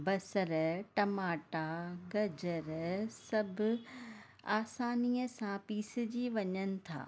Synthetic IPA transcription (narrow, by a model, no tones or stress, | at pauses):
bɐsəɾʈɐmaːʈaɡɐd͡ʑəɾsɐbʱʊ | aːsaːniːəsãpiːsɪ̆d͡ʑiːʋɐɲənɪ̆t̪ʰa̰ː